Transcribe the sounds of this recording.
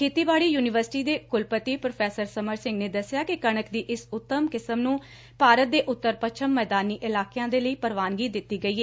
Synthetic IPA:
kʰeːt̪iːbaːɽiːjuːnɪʋəɾsɪ̥ʈiːd̪eːkʊlpət̪iːpɾoːpʰɛːsəɾsəməɾsɪ̃ŋɡneːd̪əsːɪjaːkɪkəɳ̃əkd̪iːʔɪsʊt̪ːəmkɪsəmnũː | paːɾət̪̚d̪eːʔʊt̪ːəɾpət͡ʃʰəmːɛːd̪aːniːʔɪlaːkejãːd̪eːləiːpəɾʋaːnɡiːd̪ɪt̪ːiːɡəiːeː

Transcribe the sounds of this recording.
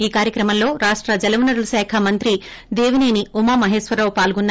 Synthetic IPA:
iːkaːɾjɐkɾɐmɐmlo̞ːɾaːʂʈɾɐd͡ʒɐlɐʋunɐɾulɐsɛːkʰɐmɐnt̪ɾi | d̪eːʋineːniumɐːmɐɦeːʃʋɐɾɐːwpaːlɡunː

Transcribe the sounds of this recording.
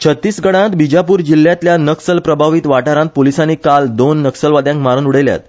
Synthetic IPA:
t͡ɕʰət̪ːiːsɡəɽ̃ãt̪bid͡ʑapuːɾd͡ʑilːjãt̪ljanəksəlpɾəbʱaʋiːt̪ʋaʈaɾãt̪̚polisãniːkald̪onːəksəlʋad̪jãŋkmaɾənuɽ̤elja̰t̪

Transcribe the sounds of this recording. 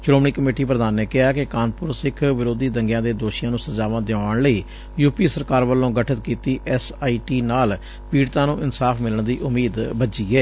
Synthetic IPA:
t͡ʃloːmɳiːkəmeːʈiːpɾəd̪aːnːɛːkɪɦaːkɪkaːnpʊɾsɪkʰʋɪɾoːd̪iːd̪əŋɡjãːd̪eːd̪oːʃijãːnũːsəd͡ʒaːʋãːd̪ɪãːɳləiː | juːpiːsəɾkaːɾʋəlːõːɡəʈʰət̪̚kiːt̪iːʔɛsaːiːʈiːnaːl | piːɽt̪ãːnũːʔɪnsaːfʰmɪləɳd̪iːʔʊmiːd̪bəd͡ʒiːɛː

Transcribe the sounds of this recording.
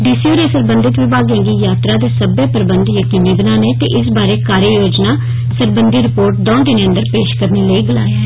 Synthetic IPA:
ɖɪsoːɾeːsəɾbənd̪ɪt̪ʋɪbʱaːɡẽːɡiːjaːt̪ɾaːd̪eːsəbeːpɾbənd̪jəkiːniːbənaːneːt̪ḛːʔɪsbaːɾeːkaːɾjəjoːd͡ʒnaː | səɾbənd̪iɾɪpoːɾʈ̚d̪ɔ̃ːd̪ɪnẽːə̃nd̪əɾpeːʃkəɾneːləiːɡəlaːe

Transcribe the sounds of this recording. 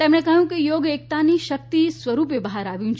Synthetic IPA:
t̪emɽ̃ekəɦjũkejoɡek̚t̪aniʃək̚t̪isʋəɾupebəɦaɾaʋjũt͡ʃʰ

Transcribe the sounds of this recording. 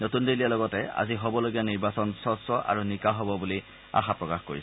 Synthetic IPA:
notundelijalɔɡɔtɛa̰ziɦɔbɔloɡijaniɹbasɔnsɔsɔʔa̰ɹunikaɦɔbɔbuli | a̰xapɹɔkaxko̰ɹis

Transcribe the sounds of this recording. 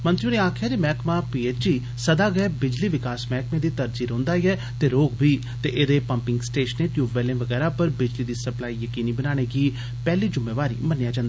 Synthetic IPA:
mə̃nt̪ɾiũːneːaːkʰɪjaːd͡ʒemɛːkmãːpiːeːt͡ʃd͡ʒiː | səd̪aːɡeːbɪd͡ʒliːʋɪkaːsmɛːkmẽːd̪iːt̪əɾd͡ʒiːɾõːnd̪aːiɛː | t̪eːɾoːɡbʱiː | t̪eːʔɪd̪eːpəmpɪŋɡsʈeːʃəneːʈjuːʋɛːlẽːʋəɡɛːɾaːpəɾbɪd͡ʒliːd̪iːsəplaːiːjəkiːniːbənaːɽ̃eːɡiː | pɛːliːd͡ʒʊmːẽːʋaːɾḭːmənjaːd͡ʒãːnd̪aː

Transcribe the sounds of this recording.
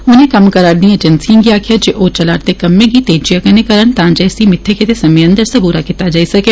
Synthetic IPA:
ʊnẽkɐmkɐɾaːɾd̪ĩeːd͡ʒənsiãɡiaːkʰijad͡ʒeʔoːt͡ʃɐlaːɾt̪ekɐmːẽkit̪eːd͡ʒijakənekɐɾənt̪ãːd͡ʒɛːsimɪt̪ʰːeket̪esɐmjə̃nd̪əɾsɐbuːɾakit̪ad͡ʒaːisɐkeː

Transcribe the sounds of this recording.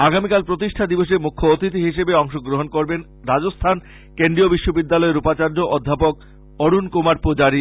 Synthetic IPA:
aɡamikalpɾot̪iʃʈʰad̪iboʃ̬emukʰːoot̪it̪iɦiʃebeɔŋʃoɡɾoɦonkoɾben | ɾad͡ʑost̪ʰan | kenɖɾiobiʃːobid̪ːalɔeɾupat͡ɕaɾd͡ʑoʔɔd̪ʱːapok̚ | oɽunkomaɾpod͡ʑaɾi

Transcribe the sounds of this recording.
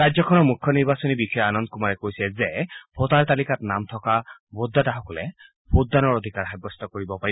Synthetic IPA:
ɹazɔkʰɔnɔɹmukʰːɔniɹbasɔnibixʰɔjɔanɔnd̚kumaɹɛkojsɛzɛbʰotaɹt̪alikatnamtʰɔkabodːataɦɔkɔlɛ̰ | bodːanɔɹod̪ʱikaɹxabɔst̪ʰɔkoɹibɔpaɹi

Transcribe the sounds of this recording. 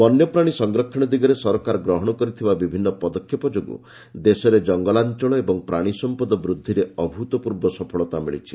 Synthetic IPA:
ɔnjɔpɾaɽ̃isɔŋɡɾɔkʰːiɽ̃ɔd̪iɡɔɾesɔɾɔkaɾɔɡɾɔɦɔɽ̃ɔkɔɾit̪ʰibabibʱinːɔpɔd̪ɔkʰːjɔpɔd͡ʒoɡṵ | d̪esɔɾed͡ʒɔŋɡɔlant͡ʃɔɭɔebɔŋpɾaɽ̃isɔmpɔd̪ɔbɾud̪ʱːiɾeɔbʱut̪ɔpuɾbɔsɔpʰɔɭɔt̪amiɭḭt͡ʃʰi̥

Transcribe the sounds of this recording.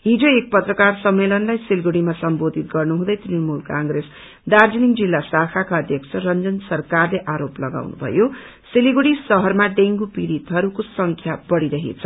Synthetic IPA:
ɦid͡zoek̚pʌt̪rʌkarsʌmːelʌnlajsilɡuɽimasʌmbod̪ʱit̪ɡʌrnuɦũd̪ʌjt̪inimulkãŋɡres | d̪ard͡ziniŋd͡zilːasakʰakaʌd̪ʱjʌkt͡sʰʌrʌnd͡zʌnsʌrkarleʔaɾoplʌɡa̰wnṵbʱʌ̰jo | siliɡuɽisʌɦʌrmaɖeŋɡupiɾit̪ɦʌɾukosʌŋkʰjabʌɽiɾʌɦḛt͡sʰʌ

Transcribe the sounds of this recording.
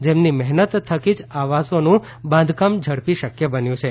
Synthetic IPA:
d͡ʒemnimɛɦnət̪ʰːəkid͡ʒaʋasonũ | bãnd̪ʱkamd͡ʒʱəɽpiʃəkjəbənjũt͡ʃʰe

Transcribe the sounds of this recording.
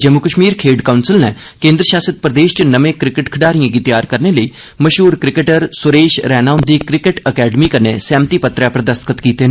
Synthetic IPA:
d͡ʒəmʊkəʃmiːɾkʰeːɖkaːʊnsɪlnɛː | kẽːnd̪ɾəʃaːsət̪̚pɾəd̪eːʃt͡ʃənəʋẽːkɾɪkɪʈkʰəɖaːɾijãːɡit̪ɪjaːɾkəɾneːləiː | məʃɦuːɾkɾɪkəʈəɾsʊɾeːʃɾɛːnaːʊnd̪iːkɾɪkɪʈəkɛːɖəmiːkəɾnḛːsɛ̃ːmt̪iːpət̪ɾɛːpəɾd̪əst̪kət̪kiːt̪eː

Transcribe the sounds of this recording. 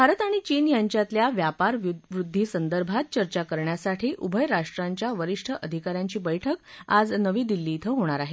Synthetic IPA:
bʱaɾət̪aɽ̃it͡ɕiːnjaɲt͡ɕjat̪ljaʋjapaɾʋuʋɾud̪ʱːiːsənd̪əɾbʱat̪̚t͡ɕəɾt͡ɕakəɾɳjasaʈʰiːʔubʱəjɾaʂʈɾaɲt͡ɕjaʋəɾiʂʈʰəʔəd̪ʱikaɾjaɲt͡ɕiːbəjʈʰəkad͡znəʋiːd̪ilːiːt̪ʰəɦoɽ̃aɾaɦe

